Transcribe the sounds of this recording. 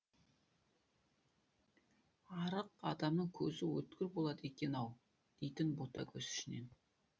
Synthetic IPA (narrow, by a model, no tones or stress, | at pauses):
ɑɾəqɑ̰d̪ɑmnəɴkʲʰɵzɪwɵt̪̚kʲɪɾbo̞lˠɑd̪əe̞kʲe̞nɑw | d̪̥e̞jt̪ɪnbot̪ɑ̰kʲʰɵzʏ̥ʃɪne̞̰n